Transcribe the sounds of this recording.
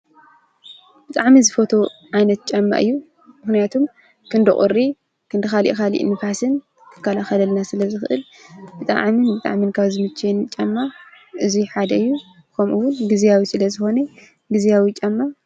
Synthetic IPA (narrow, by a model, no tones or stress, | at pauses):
b̥ɨt̪ʼaʕmizɨfo̞t̪ʰo̞ʕajnɐt̪̚t͡ʃʼɐmːa̰ʔɨjːu | mɨxnijat̪ʰum | kʰɨnd̪ɨχʼʊ̰ɾi | kʰɨnd̪ɨxalḭʔkalḭʔnɨfasɨn | kʰɨ̥kʰːɐlaxɐlɐlnasɨlɐzɨxɨʔɨlb̥ɨt̪ʼa̰ʕminbɨt̪ʼa̰ʕminkʰaβzɨmɨt͡ʃʰːɛnt͡ʃʼɐmːa | ʔɨziħad̪ɐɨjːu | kʰɐmʔɨwʊnɡizijawisɨlɐzɨxo̞ne | ɡizijawit͡ʃʼɐmːa